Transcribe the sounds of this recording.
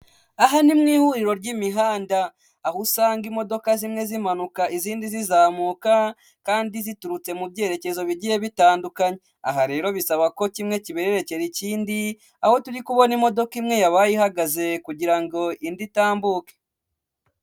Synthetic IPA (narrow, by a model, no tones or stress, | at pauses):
aɦanimŋiːhuɾiɾo̞ɾɟimiɦaːndaː | husaːŋɡimo̞do̞kazimŋe̞zimanukaʔiziːndizizaːmuːka | kaːndizituɾut͡se̞mubɟe̞ːɾe̞ce̞zo̞βiɟije̞βitaːndukaɲe | a̰ɦaɾe̞ːɾo̞βisaβako̞cimŋe̞ciβeɾeɾe̞ce̞ɾiciːndi | aho̞tuɾikuβo̞nimo̞do̞kimŋe̞jaβaːjihaɡaze̞kuɟiɾaŋɡo̞inditaːmbuːke̥